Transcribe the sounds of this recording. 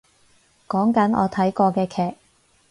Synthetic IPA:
kɔː˨˥ŋkɐ˨˥nʔɔ̰ː˨˧t̪ʰɐ˨˥jkɔː˧kɛː˧kʰɛː˨k̚

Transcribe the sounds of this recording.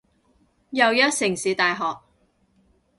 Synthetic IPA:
jɐ˨˧wjɐ˥t̚sɪ˨˩ŋsiː˨˧t̪aː˨jɦɔː˨k̚

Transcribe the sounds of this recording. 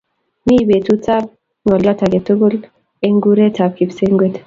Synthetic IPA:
mi˦be˨tu˦ta˦b̚ | ŋɔ˨lːɔ˦ta˨ɡe˨tu˦ɡu˦l | e˦ŋɡu˦ɾe˦ta˨b̚ki˨bse˦ŋɡwe˦t

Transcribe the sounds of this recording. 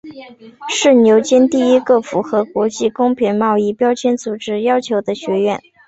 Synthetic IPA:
ʂɻ̩˥˩njo˧˥ʊt͡ɕɛ˥nt̪i˥˩i˥ɡə˥˩fu˧˥xɤ˧˥kwɔ˧˥t͡ɕi˥˩kʊ˥ŋpʰi˧˥nmɑ˥˧ʊi˥˩pjɑ˥ʊt͡ɕʰjɛ˥nt͡su˨˩ʈ͡ʂɻ̩˥jɑ˥ʊt͡ɕʰjo˧˥ʊd̪ə˧ɕɥɛ˧˥ɥɛ˥˩n

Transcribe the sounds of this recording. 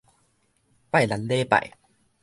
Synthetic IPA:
pa˥˨jla˨˦nle˦pa̰˨j

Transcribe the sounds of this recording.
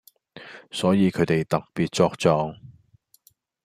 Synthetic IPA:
sɔː˨˥jiː˨˧kʰɵ˨˧ɥt̪e˨jt̪ɐ˨k̚piː˨t̚t͡sɔː˧k̚t͡sɔː˧ŋ

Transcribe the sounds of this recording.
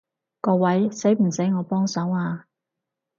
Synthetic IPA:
kɔː˧wɐ˨˥jse˨˥jm̩˨˩se˨˥jŋɔː˨˧pɔː˥ŋsœː˨˥ŋaː˧

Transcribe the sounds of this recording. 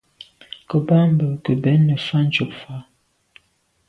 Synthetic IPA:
kə˨ba˦mbə˨kə˨bɛ˨˦nːə˨fa˦n˦t͡ʃo˨pfa˦

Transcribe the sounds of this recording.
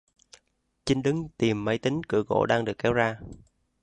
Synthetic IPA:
t͡ɕï˨˦ŋɗɨ˨˦ŋt̪i˨˩mːə˨˧˦jt̪ï˨˦ŋ̟kɨ̰˧˩əɣo̰˧˥ɗaː˧ŋɗɨ˨˩əkːɛ˨˦wzaː˧

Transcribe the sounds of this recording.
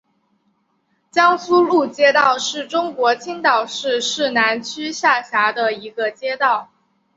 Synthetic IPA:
t͡ɕjɑ˥ŋsu˥lu˥˩t͡ɕjɛ˥t̪ɑ˥˧ʊʂɻ̩˥˩ʈ͡ʂʊ˥ŋkwɔ˧˥t͡ɕʰi˥ŋt̪ɑ˨˩ʊʂɻ̩˥˧ʂɻ̩˥˩na˧˥nt͡ɕʰy˥ɕja˥˩ɕja˧˥d̪ə˧i˧˥ɡə˧t͡ɕjɛ˥t̪ɑ˥˩ʊ

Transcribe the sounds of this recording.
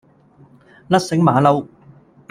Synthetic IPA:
lɐ˥t̚sɪ˨˥ŋmaː˨˥lɐ˨˧w

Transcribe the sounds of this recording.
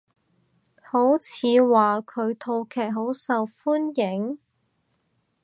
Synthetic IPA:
ho˨˥wt͡sʰiː˨˧waː˨˩kʰɵ˨˧ɥt̪ʰo˧wkʰɛː˨˩k̚ɦo˨˥wsɐ˨wfuː˥njɪ˨˥ŋ

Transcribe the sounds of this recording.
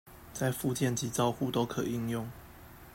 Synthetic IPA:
t͡sa˥˧ɪfu˥˧t͡ɕjɛ˥˨nt͡ɕi˨˥t͡sɑ˥˧ʊxu˥˨t̪o˥ʊkʰɤ̰˨˩i˥˧ŋjʊ˥˨ŋ

